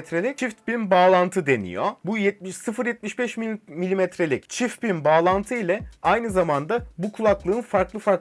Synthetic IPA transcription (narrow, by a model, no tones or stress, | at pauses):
t̪ɾelʲict͡ʃʰift̪binbaːlˠant̪ʰɯd̪e̞nḭjobujɛt̪̚sɯfɯɾjɛt̪̚miʃbɛʃmimilʲimɛt̪ɾelʲict͡ʃʰift̪̚binbaːlˠant̪ʰɯilʲɛajnɯzamand̪abukʰulˠaklˠɯːnfaɾklˠɯfaɾk